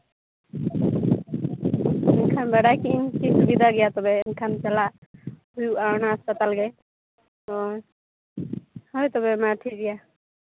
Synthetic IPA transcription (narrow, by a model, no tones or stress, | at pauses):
ɛnkʰanbaɽajkinkisubid̪ʱaɡɛjat̪ɔbɛːnkʰant͡ʃɛlahujuaɹnaaspat̪alɡɛ | ɔ | hɔjt̪ɔbɛmaʈʰiɡija